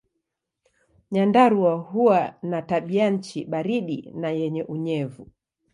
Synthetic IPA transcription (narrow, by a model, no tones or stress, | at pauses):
ɲandaɾuwahuwanataɓian̩t͡ʃiɓaɾiɗinajɛɲɛʔuɲɛvu